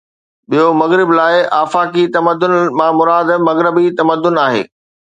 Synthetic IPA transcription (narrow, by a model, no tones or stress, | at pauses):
ɓijomɐɣɾɪblaːɪʔaːfaːkit̪ɐməd̪ːʊnmãmʊɾaːd̪mɐɣɾɪbit̪ɐməd̪ːʊnaːɦḛː